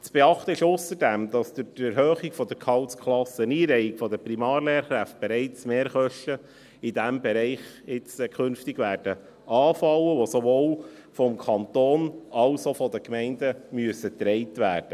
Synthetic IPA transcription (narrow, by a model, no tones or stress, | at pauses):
t͡sb̥ɛɑχt̪əɪʃʊsəɾdæmd̥̪ɑsd̥̪ʊtɛɾhøːχiɡfɔd̪əɾkʰɑwtskʰlɑsːəniːɾɛɪɪɡ̥fɔd̪əprimɑːɾleːɾχɾæft̚b̥eɾɛɪt͡smeːɾχœʃtə | id̪æmbɛɾɛɪχ | ɪt͡skʰχɵnftiɡʋæːɾd̥ə | ɑːfɑləʋɔsoʋoːl | fɔmkʰɑnt̪oːnɑʊsofɔd̪əkmɛɪndəmyəsət̪ɾɛɪtʋæːd̥ə